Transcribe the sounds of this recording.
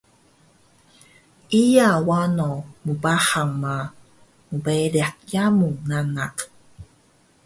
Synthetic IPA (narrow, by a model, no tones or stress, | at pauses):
ʔijawanomubahaŋma | mubeɾeak̚jamunanak